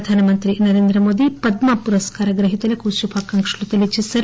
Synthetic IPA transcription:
d̪ʱaːnɐmɐnt̪ɾinɐɾe̞ːnd̪ɾɐmoːd̪ipɐd̪mɐpuɾɐskaːɾɐɡɾɐɦit̪ulɐkuʃubʰʱaːkɐŋkʂulut̪elit͡ʃesɐɾ

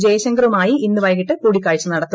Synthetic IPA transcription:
d͡ʑeːɕɐŋɡɾɐʋumaːjiinːɨʋɐjɐɣiʈːɨkuːɽikʲːaːjit͡ɕːɨnɐɽɐt̪ːu

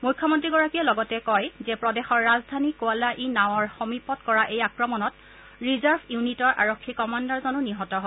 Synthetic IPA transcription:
mujkʰːɔmɔntɹiɡɔɹakiɛlɔɡɔtɛkɔjzɛpɹɔdɛxɔɹːazdʱanikoalaʔinaw̃ɔɹxɔmipɔtkɔɹaʔejakɹɔmɔnɔt | ɹizaɹbʱjunitɔɹʔa̰ɹokʰːikɔmandɔɹzɔnuniɦɔtɔɦɔ

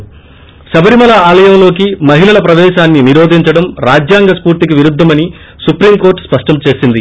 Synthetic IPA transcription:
sɐbɐɾimɐlɐaːlɐjɐmlo̞ːkimɐɦilɐlɐpɾɐʋɛːʃaːnːiniɾoːd̪ʱiɲt͡ʃɐɽɐmɾaːd͡ʒjaːŋɡɐspuːɾt̪ik̬iʋiɾud̪ʱːɐmɐni | supɾiːmko̞ːɾʈspɐʂʈɐmt͡ʃe̞ːsind̪i

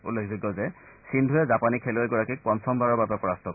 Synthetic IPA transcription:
ulekʰziɡɔzɛ | sindʱʊɛzapanikʰeloɛɡɔɹakik̚pɔnsʰɔmbaɹɔɹbabɛpɔɹastɔk

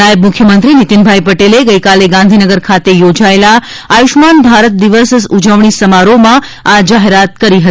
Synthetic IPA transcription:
ajəbmʊkʰjəmənt̪ɾinit̪inbʱajpəʈeleɡəjkaleɡãnd̪ʱinəɡəɾkʰat̪ejod͡ʒaela | ajuʃmanbʱaɾət̪̚d̪iʋəssud͡ʒəʋɳ̃isəmaɾomãad͡ʒaɦeɾat̪kəɾiɦə

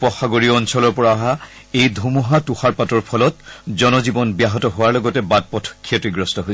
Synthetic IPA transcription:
pɔxaɡoɹiɔɔnsɔlɔɹpɔɹaːɦa | ejdʱumuɦatuxaɹpatɔɹpʰɔlɔt̚zɔnɔzibɔnbjaɦɔtɔɦowaɹlɔɡɔtɛbad̚pɔtʰɔ̥kʰːiɔtɹiɡɹɔstɔɦojs

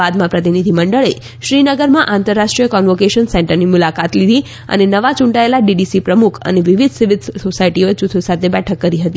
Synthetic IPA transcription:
ad̪mãpɾət̪inid̪ʱiməɳɖəɭe | ʃɾinəɡəɾmãʔãnt̪əɾːaʃʈɾijəkɔnʋokeʃənsɛ̃ɳʈəɾnimulakat̪lid̪ʱi | ə̰nenəʋat͡ʃũɳʈaelaɖiɖisipɾəmukʰə̰neʋiʋid̪ʱsiʋid̪sosaiʈioet͡ʃut̪ʰosat̪ʰebɛʈʰəkːəɾiɦət̪i

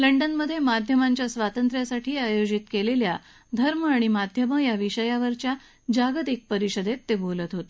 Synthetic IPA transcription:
ləɳɖənməd̪ʱjemad̪ʱjəmaɲt͡ɕjasʋat̪ənt̪ɾjasaʈʰiːajod͡ʑit̪kelelja | d̪ʱəɾməaɽ̃imad̪ʱjəməjaʋiɕəjaʋəɾt͡ɕja | d͡ʑaɡət̪ik̚pəɾiɕəd̪et̪ːebolət̪ɦot̪e̥

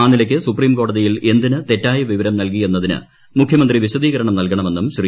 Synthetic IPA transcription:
aːnilɐkʲːɨsupriːmko̞ːɽɐðijile̞nd̪inɨt̪e̞tːaːjɐʋiʋɐɾɐmnɐlk̬ije̞nːɐðinɨ̰ | mukʰjɐmɐnd̪riʋiɕɐd̪iːɣɐɾɐɳɐmnɐlkɐɳɐme̞nːumɕri

